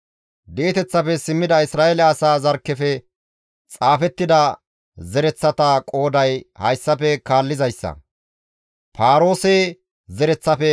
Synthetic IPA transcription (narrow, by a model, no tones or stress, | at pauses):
d̪eːt̪ɛt͡sːɐfɛsɪmːɪd̪ɐɪsɾaːʔelɛɐsaːzɐɾkːɛfɛ | t͡sʼaːfɛt̪ːɪd̪ɐ | zɛɾɛt͡sːɐt̪ɐkʼo̞ːd̪ɐjhɐjsːɐfɛkaːlːɪzɐjsːɐ̰ | pʰaːɾo̞ːseː | zɛɾɛt͡sːɐfɛ